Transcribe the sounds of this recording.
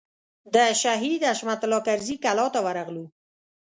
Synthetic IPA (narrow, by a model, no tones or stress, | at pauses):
d̪əʃaɦid̪aʃmat̪lɑkaɾzikalɔt̪awaɾaɣlu